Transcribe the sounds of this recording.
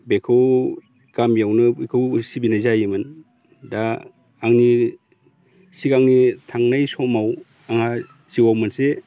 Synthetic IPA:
bekʰɯw | ɡ̥amjawnɯbekʰɯwsibinajzajɯmɯn | daː | ŋni | sikaŋnitʰaŋnajsɔmaw | aŋha | siwawmɯnse

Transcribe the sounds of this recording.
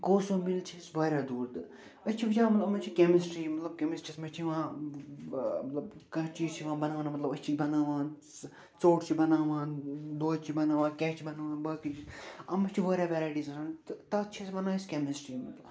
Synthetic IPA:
koːsoːmilt͡ʃʰisʋɐːɾʲaːd̪uːɾd̪ɨ | ɐt͡ʃʰiʋɐd͡ʒãːmɐt̪lɐmɐt͡ʃʰikemisʈɾiːmɐt̪lɐb̚kemisʈɾismɐt͡ʃʰiʋãː | mɐt̪lɐbkɐ̃t͡ʃiːt͡ʃʰiʋãːbɐnaːʋnmɐt̪lɐbɐt͡ʃʰibɐnaːʋãːn | t͡soːʈt͡ʃʰibɐnaːʋãːnd̪oːt͡ʃʰibɐnaːʋãːkɛːt͡ʃʰibɐnaːʋãːnbɐːkit͡ʃʰiɐmɐt͡ʃʰiʋɐːɾʲaːʋɛɾaːʈiːznaːnt̪t̪ɐt͡ʃʰisbɐnaːiskʲemisʈɾiːmɐt̪lɐb

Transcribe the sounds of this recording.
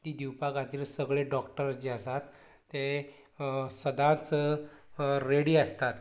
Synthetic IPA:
t̪iːd̪iwpakat̪iːlsəɡɭeɖɔkʈəɾd͡ʑiəsat̪ː | e | səd̪ãt͡sə | ɾeɽiːəst̪at̪

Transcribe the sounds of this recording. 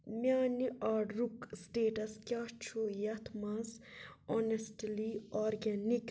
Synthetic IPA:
mjaːniʔaːɖɾuksʈeːʈɐskʲaːt͡ʃʰujɐt̪ʰmɐnsonesʈlioːɾɡanik

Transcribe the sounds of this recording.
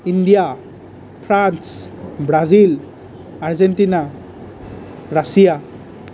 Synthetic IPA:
indija | pʰɾansbɾazil | aɾzenʈina | ɾasija

